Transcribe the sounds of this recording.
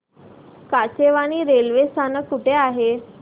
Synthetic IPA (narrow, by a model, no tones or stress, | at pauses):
kat͡ɕeʋaɽ̃iːɾelʋest̪ʰanəkːuʈʰeaɦe